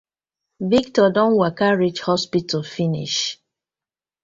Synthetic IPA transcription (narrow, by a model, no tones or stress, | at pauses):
viktɔdɔ̃nwakaɹid͡ʒhɔspitɔfinḭʃ